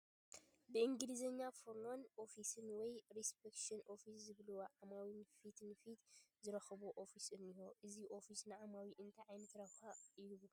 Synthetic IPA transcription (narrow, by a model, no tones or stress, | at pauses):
bɨʔɨŋɡɨlɨzɐɲːafoɾmonʔo̞fisɨnwɔjɾispekʃɐnʔo̞fiszɨβluwʕamawinfit̪nfit̪zɨɾɐxβuʔofisʔɨnihoʔɨziʔo̞fisnɨʕamawiʔɨnt̪ʰaʕajnɐt̪ɾɐβxaɨβlu